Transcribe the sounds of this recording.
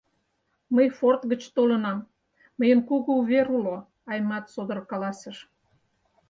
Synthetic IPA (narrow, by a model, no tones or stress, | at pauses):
məjfort̪ɣət͡ɕt̪olənɑmː | əjənkuɣəuβʲeɾulo | ɑjmɑt̪sod̪ə̆rkɑlɑsəʃ